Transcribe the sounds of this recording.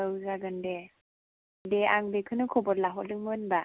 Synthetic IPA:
ɯwzaɡɯnde | deaŋbekʰɯnɯkʰɔbɔt̚laɦɔt̚dɯŋmɯnba

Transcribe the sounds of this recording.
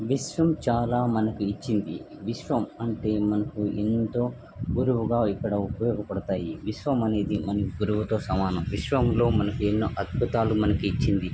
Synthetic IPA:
ʋiʃʋɐmt͡ʃaːlaːmɐnɐkuit͡ʃːind̪i | ʋiʃʋɐmɐɳʈe̞ːmɐnɐkuent̪o̞ː | ɡuɾuʋuɡaːikːɐɽɐupɐjoːɡɐpɐɽɐt̪aːjiʋiʃʋɐmɐne̞ːd̪imɐnɐkiɡuɾuʋut̪o̞ːsɐmaːnɐmʋiʃʋɐmlo̞ːmɐnɐkuenːoːʔɐd̪̚bʱut̪aːlumɐnɐkuit͡ʃːind̪i

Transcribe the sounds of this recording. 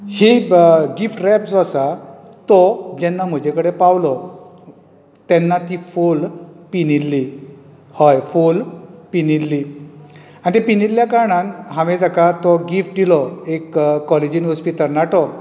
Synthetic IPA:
heɡifʈɾɛpd͡zasa | t̪ɔd͡ʑɛnːam̤əd͡ʑekəɽepawlɔ | t̪ɛnːat̪ifolpinilːi | hɔjfolpinilːi | añit̪epinilːjakaɾɳanɦãʋẽd͡zakat̪ɔɡifʈ̚d̪ilɔekːɔled͡ʑinɦɔspit̪əlnaʈɔ

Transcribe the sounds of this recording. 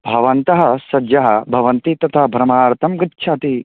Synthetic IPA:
bʱɐʋɐnt̪ɐɦɐ̆sɐd͡ʒjɐɦɐ̰bʱɐʋɐnt̪it̪ɐt̪ʰɐbʱɾɐmaːɾt̪ʰɐmɡɐtːʃʰɐt̪i

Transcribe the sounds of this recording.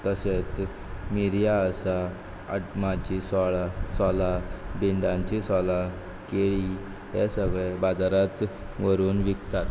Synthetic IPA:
t̪əset͡s | miɾjaəsa | əmad͡ʑisɔɭasɔlabiɳɖãɲt͡ɕisɔla | keɭi | ɦesəɡɭebad͡zaɾat̪ | ʋəɾuːnʋikt̪at̪

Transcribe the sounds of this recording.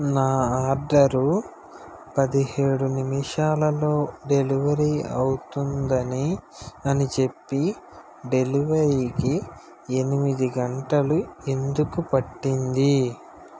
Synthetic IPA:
naːaːɾɖɐɾu | pɐd̪iɦe̞ːɽunimiʂaːlɐlo̞ːɖe̞liʋɐɾiːɐ̰wut̪und̪ɐniɐnit͡ʃe̞pːi | ɖe̞liʋɐɾiːki | e̞nimid̪iɡɐɳʈɐlue̞nd̪ukupɐʈːind̪i

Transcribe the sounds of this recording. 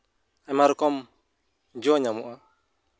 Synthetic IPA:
amaɾɔkɔm | d͡ʒɔɲamṵʔa

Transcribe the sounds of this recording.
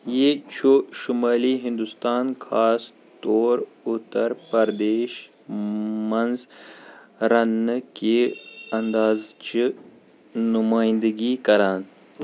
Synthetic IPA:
jet͡ʃʰoʃumaːliɦĩnd̪ust̪aːnkʰaːs | t̪oːɾ | ut̪ɐɾpɐɾd̪eːʃ | mɐnz | ɾɐnkeɐnd̪aːzt͡ʃi | numaːjĩnd̪əɡikɐɾaːn

